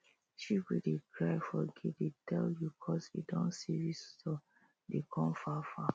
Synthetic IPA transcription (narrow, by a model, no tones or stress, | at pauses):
ʃiwidikɹaɪfɔɡiditʰɛljukʰɔsḭdɔ̃nsiɹistɔ | dekʰɔ̃mfafa̰